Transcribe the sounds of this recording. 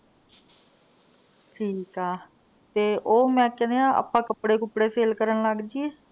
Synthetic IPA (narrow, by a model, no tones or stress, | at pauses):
ʈʰiːkaː | t̪eːʔoːmɛ̃ːkɛ̃ːneãːʔə̰pãːkəpɽeːkʊpɽeːseːlkəɾənləɡd͡ʒieː